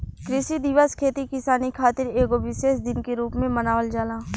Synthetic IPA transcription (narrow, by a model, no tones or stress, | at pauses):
kɾɪʃid̪ɪʋəskʰeːt̪ikɪsaːnikʰaːt̪ɪɾeːɡoʋɪʃeːʃd̪ɪnkeɾuːpmẽmənaːʋəld͡ʒaːlãː